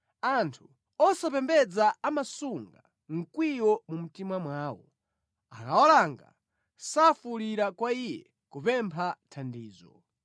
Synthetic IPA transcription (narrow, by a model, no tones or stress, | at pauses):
antʰu | ɔsapɛmbɛd͡zaːmasuŋɡa | ŋ̩kwijɔmum̩timamwaːwɔ | akaɔlaŋɡa̰ | safuliɾakwaijɛ̰ | kupɛmpʰatʰandiːzɔ̰